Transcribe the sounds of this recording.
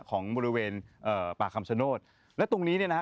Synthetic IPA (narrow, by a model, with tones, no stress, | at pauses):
kʰɔː˩˦ŋbɔː˧ɾi˧˥weː˧nʔɤː˨˩paː˨˩kʰa˧mt͡ɕʰa˧noː˥˩t̪̚ | lɛ˦˥t̪o˧ŋniː˦˥ni˥˩ɐna˦˥